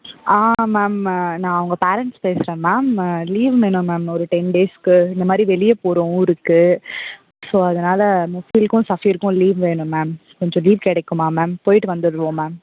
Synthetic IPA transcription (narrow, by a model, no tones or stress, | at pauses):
aːmaːmnãːɐʋɐŋɡɐpeːɾɛɳʈspeːsɪɾẽːmaːmliːʋʋeːnʊ̃maːmɔɾɯʈɛnɖeːskɯɪnd̪ɐmaːd̪ɾiʋɛɭɪjɐpoːɾõɪɾɯkːɯ | soːɐðɐnaːlɐmfiːlkʊ̃sɐfiɪɾɯkːʊ̃liːʋʋeːɳʊ̃maːmkɔɲd͡ʒɔ̃liːʋkɛɽɛkːɯ̃maːmaːmpoːjɪʈːɯʋɐnd̪ɯɾɯʋõːmaːm